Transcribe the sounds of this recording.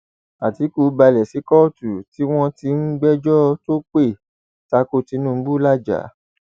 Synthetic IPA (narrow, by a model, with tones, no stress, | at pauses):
a˨ti˨˦ku˨˦ba˧lɛ˨si˨˦kɔ˦tu˨ti˦w̃ɔ̃˦ti˧˦ŋ̩˦ɡ͡bɛ˦d͡ʒɔ˦to˦k͡pe˦˨ | ta˧ko˧ti˧˦nũ˦˧˦bu˦la˦d͡ʒa̰˨˦